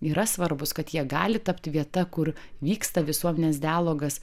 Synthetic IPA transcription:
iːɾɐsʋɐɾbʊskɐt̪jiɛɡɑːlʲɪt̪ɐpt̪ʲʋʲiɛt̪ɐkʊɾʋʲiːkst̪ɐʋʲɪsuɔmʲɛnʲeːs̬d̪ʲɪæːlˠoːɡɐs

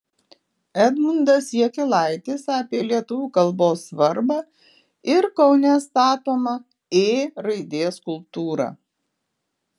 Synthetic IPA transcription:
æd̪mʊnd̪ɐsʲiɛkʲɪlˠɑˑɪt̪ʲɪsɑːpʲiɛlʲiɛt̪ʊʋʲuːkɐlˠboːsːʋɐɾbɑ | ɪɾkɒʊnʲɛst̪ɑːt̪oːmɐ | eːɾɐɪd̪ʲeːskʊlˠpt̪uːɾɑ̰

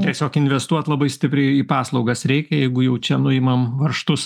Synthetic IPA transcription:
t̪ʲiɛsʲoːkɪnʲʋʲɛst̪uɔt̪lˠɐbɐɪsʲt̪ʲɪpʲɾʲɛɪiːpɑːslˠɒʊɡɐsɾʲɛɪkʲɛjɛɪɡʊjɛʊt͡ʃʲɛnʊɪmɐmʋɐrʃt̪ʊs

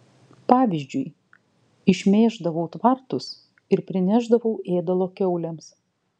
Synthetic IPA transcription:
pɑːʋʲɪzʲd͡ʒʲʊj | ɪʃʲmʲeːʒd̪ɐʋɐʊt̪ʋɐɾt̪ʊs | ɪɾpʲɾʲɪnʲæʒd̪ɐʋɐʊʔeːd̪ɐlˠoːkʲɛʊlʲɛms

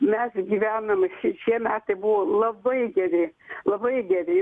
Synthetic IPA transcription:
mʲæsɡʲiʋʲænɐmʃiʃʲiɛmʲæːt̪ɨbuʋolˠɐbɐɪɡʲɛɾʲeːlˠɐbɐɪɡʲɛɾʲe

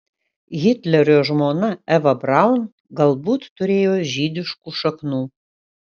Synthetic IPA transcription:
ɣʲɪt̪ʲlʲɛɾʲoːʒmoːnɐɛʋɐbɾaʊn | ɡɐlˠbuːt̪ːʊɾʲeːjoːʒʲiːd̪ʲɪʃkuːʃɐknuː

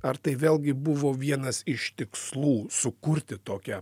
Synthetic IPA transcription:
ɐɾt̪ɐɪʋʲeːlʲˠɡʲɪbʊʋoːʋʲiɛnɐsɪʃt̪ʲɪkslˠuːsʊkʊɾʲt̪ʲɪt̪oːkʲɛ

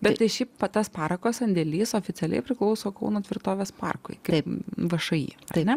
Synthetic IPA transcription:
bʲɛtt̪ɐɪʃʲiːppɐt̪ɐspɑːɾɐkoːsɐnʲd̪ʲeːlʲiːsoːfʲɪt͡s̪ʲɛlʲɛ̰ɪpʲɾʲɪklˠɐʊsoːkɐʊnoːt̪ʲʋʲɪɾt̪oːʋʲeːspɑ̰rkʊ̰ɪkɐɐɪpʋɐʃɐjḭːɐɪnʲɛ

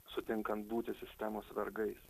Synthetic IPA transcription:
sʊt̪ʲɪŋkɐnt̪buːt̪ʲɪsʲɪsʲt̪ʲɛmoːsʋʲɛɾɡɐɪs

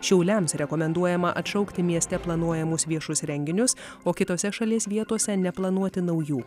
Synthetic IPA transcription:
ʃʲɛʊlʲɛmsɾʲɛkɔmʲɛnd̪uɔjɛmɐʔɐt̪ʃɐʊkt̪ʲɪmʲiɛsʲt̪ʲɛplˠɐnuɔjɛmʊsʋʲiɛʃʊsɾʲɛŋʲɡʲɪnʲʊs | oːkʲɪt̪oːsʲɛʃɐlʲiɛsʋʲiɛt̪uɔsʲɛnʲɛplˠɐnuɔt̪ʲɪnɐʊjuː

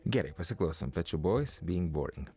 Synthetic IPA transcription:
ɡɛɾḭpɹɛsəklˠosə̃npɛt͡ʃəbɔɪz̥biɪ̃ŋbɔ̰ɹɪ̰̃ŋ

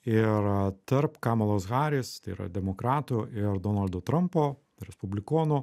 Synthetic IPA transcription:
ɪɾt̪ɐɾpkɑːmɐlˠoːsɣɑːɾʲest̪ɐiːɾɐ̰d̪ʲɛmoːkɾɑːt̪uʔɪɾd̪oːnɐlʲd̪oːt̪ɾɐmpoː | ɾʲɛspʊbʲlʲɪkoːnʊː

